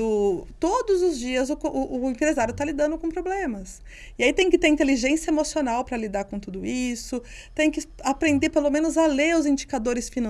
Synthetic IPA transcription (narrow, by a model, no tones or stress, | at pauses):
ʊt̪od̪ʊzʊzd͡ʒiɐzʊkoʔʊʔʊẽpɾezaɾjʊt̪alid̪ɐ̃nd̪ʊkõpɾoblẽmɐs | ɪait̪ẽj̃kɪt̪eɾĩnt̪eliʒẽsijɐemosionawpɾɐlid̪aɾkõt̪ud̪ʊisʊ | t̪ẽj̃kɪapɾẽnd̪eɾpelomẽnʊzaleʊzĩd͡ʒikad̪oɾɪsfinɐ̃